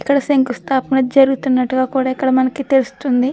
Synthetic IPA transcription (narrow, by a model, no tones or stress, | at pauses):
ikːɐɽɐseŋkust̪ʰaːpɐnɐd͡ʒɐɾuɡut̪unːɐʈːuɡaːkuːɽaːikːɐɽɐmɐnɐkit̪e̞lusu̥t̪und̪i